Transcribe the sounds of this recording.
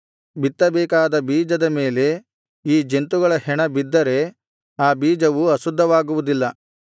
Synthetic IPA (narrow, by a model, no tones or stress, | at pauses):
bit̪ːɐbɛːkaːd̪ɐbiːd͡ʒɐd̪ɐmeːle̞ | iːd͡ʒe̞nt̪uɡɐɭɐhɛɳɐbid̪ːɐɾe̞ | aːbiːd͡ʒɐʋuɐsud̪ʱːɐʋaːɡuʋud̪ilːɐ